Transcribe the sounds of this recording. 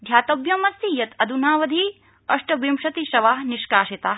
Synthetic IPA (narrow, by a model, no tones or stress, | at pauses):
d̪ʱjaːt̪ɐbjɐmɐst̪ijɐt̪ɐd̪ʱunaːʋɐd̪ʱiː | ɐʂʈɐbimʃɐt̪iʃɐʋaːɦniʃkaːʃit̪aː